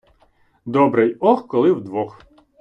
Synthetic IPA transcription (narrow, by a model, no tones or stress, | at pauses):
d̪ɔbɾɪjɔxkɔlˠɪwd̪ʋɔx